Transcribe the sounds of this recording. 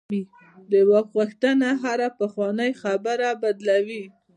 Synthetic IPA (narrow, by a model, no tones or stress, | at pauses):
d̪əwɑkɣuxt̪ənaɦaɾapəxwɑnəjxabəɾabad̪lawi